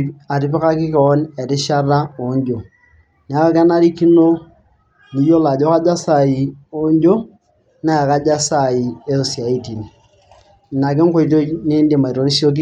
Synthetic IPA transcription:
a˨ɾɪ˨˦pɪ˦ka˦kɪ˦kɔ˨ɔ˦nɛ˨ɾɪ˦ʃa˦ra˦o˨˦ɲ˦d͡ʒo˨ | n˨a˦a˦ka˦na˦ɾi˦ki˦no˦ | ni˨jo˦la˨d͡ʒɔ˦ka˦d͡ʒa˦sa˨i˨o˨˦ɲ˦d͡ʒo˦ | na˦a˨ka˦d͡ʒa˦sa˨i˨e˦ssi˨a˨i˦ti˨n˨ | na˨kɪ˦ŋ̩˦ko˦ito˦t͡ʃne˦ndi˨ma˨i˨ɾo˨ɾi˦si˦o˦k̬

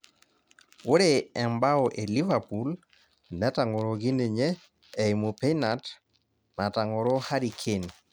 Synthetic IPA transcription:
o˦ɾe˨ɛ˨mba˦ɔ˨ʔe˨li˦va˨pu˨l | nɛ˦ta˨ŋo˨ɾo˨ɡi˦ne˨ɲɛː˦˨ | i˨mo˨pe˦na˨t | na˨ta˨ŋɔ˨ɾo˦ha˦ɾi˨kʰe˦˨n

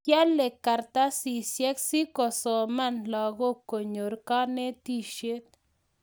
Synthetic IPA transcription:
kja˦lːe˨ka˨ɾt̪a˦si˨sjɛ˦ksi˦kɔ˨sɔ˨ma˦nlɔ˨ɡɔ˦ko˨ɲo˨ɾka˦nɛ˦t̪i˦ʃje˦t̪̚

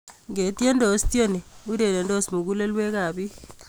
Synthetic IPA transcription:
ŋɡe˨tje˦ndɔ˨˦stjo˦ni˨u˦ɾe˨ɾe˨ndɔ˦smu˨ku˦le˦lwe˦ka˨bi˦

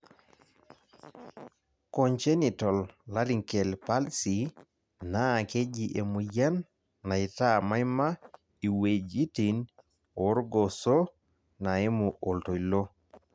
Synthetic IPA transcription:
koɲt͡ʃe˦ni˨tɔ˨lla˦ɾi˨ŋke˨lpa˦lsi˨ | na˦ke˦d͡ʒiʔe˨mu˨ja˦nː | a˨i˨ta˦ma˦jma˦ | i˨wed͡ʒi˦ti˨n | o˦ɾɡo˨so˦ | na˨e˦mu˨ʔo˨lto˨ilo˦

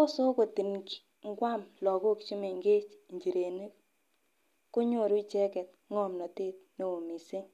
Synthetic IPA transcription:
ɔ˦so˦ko˨ti˨nk | ŋ˦ɡwa˦˨mlɔ˨ko˦kt͡ʃu˦me˨ŋɡe˦t͡ʃɲd͡ʒi˨ɾe˨ni˦k | ku˦ɲo˦˨ɾu˦t͡ʃɛ˦kɛ˨t̚ | ŋɔ˦mnɔ˨te˦tne˨o˨mi˨se˦ŋ

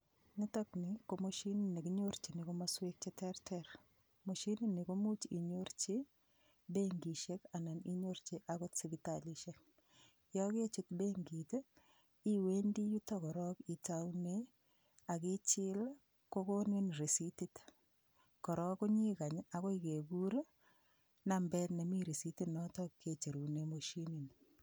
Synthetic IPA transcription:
ni˦tɔkni˨komoʃinini˨ki˦ɲoɾt͡ʃi˨ni˨komaswe˦k̚t͡ʃetɛɾtʰɛɾ | mo˨ʃi˦ni˦ni˨ko˦mu˦t͡ʃḭ˨ɲo˦ɾt͡ʃi | beŋɡi˨ʃeka˨na˨ni˦ɲo˦ɾt͡ʃi˦ʔako˦tsibitaliʃek̚ | jɔke˦t͡ʃutbeŋɡite | i˦we˦ndi˦ju˦tɔkɔ˨ɾɔki˨tawne | a˨kɪ˦t͡ʃɪ˦l | ko˦ko˦nɪ˦nri˨si˦ti˦t | kɔ˨ɾɔ˦kʊ˦ɲi˦ka˨ɲa˨kɔ˦ike˨ɡu˦ɾ | nambɛ˦tna˨mi˦ɾi˨si˦ti˦nɔtɔ˦kʰːe˨t͡ʃe˨ɾu˨ne˦mo˨ʃi˦ni˨n

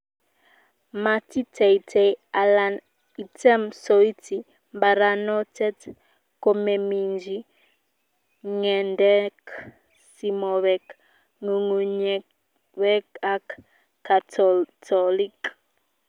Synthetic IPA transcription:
ma˨ti˦tʰɛ˨itʰɛa˨lan | i˨tʰɛ˦msɔi˦tʰi˨ | mba˨ɾa˨nɔ˦tɛ˦t | ko˨mɛ˨mi˨nd͡ʒi˦ | ŋɛ˨ndɛ˦k | si˨mɔ˨βɛk | ŋu˨ŋu˨ɲɛ | wɛ˦ka˦k | kːa˨tɔtʰɔlik

